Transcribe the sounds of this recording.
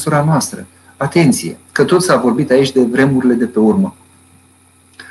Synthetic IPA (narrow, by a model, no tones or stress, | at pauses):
suɾanoast̪ɾə | at̪e̞nt̪sije̞̰kət̪o̞t̪savo̞rbit̪ait͡ʃʲd̪e̞vɾe̞muɾile̞d̪e̞pe̞urmə